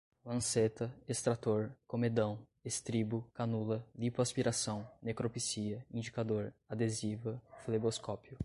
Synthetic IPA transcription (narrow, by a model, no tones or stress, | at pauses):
lɐ̃set̪ɐest̪ɾat̪oɾkomed̪ɐ̃w̃ | est̪ɾibʊkanulɐlipoaspiɾasɐ̃w̃nekɾopisiɐĩd͡ʒikad̪oɾad̪ezivɐfleboskɔpjʊ